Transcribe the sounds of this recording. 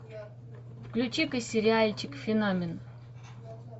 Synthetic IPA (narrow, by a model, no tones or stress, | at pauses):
fklʲut͡ɕikɨsʲɪɾʲɪalʲt͡ɕikfʲɪnamʲɪn